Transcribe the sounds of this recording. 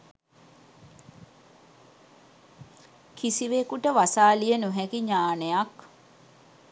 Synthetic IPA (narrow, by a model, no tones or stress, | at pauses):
kisiʋekuʈəʋasaːlijənuɦɛkiɲaːnejak